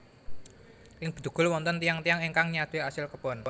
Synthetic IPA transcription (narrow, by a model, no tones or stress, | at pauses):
ʔɪŋb̥ə̤̥d̪̥ṳɡ̥ʊ̤lwɔnt̪ɔnt̪ijaŋt̪ijaŋiŋkaŋɲad̪̥easɪlkəpɔn